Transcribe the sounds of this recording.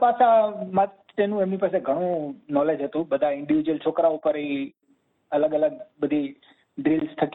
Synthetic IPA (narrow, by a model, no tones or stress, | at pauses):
pasamã | t̪enũemnipaːseɡʱəɽ̃ũnɔled͡ʒɦət̪ũbəd̪ʱaɪ̃ɳɖɪʋid͡ʒuwəlt͡ʃʰokɾaupəɾei | ələɡələɡ̚ɓəd̪ʱi | ɖɾilst̪ʰək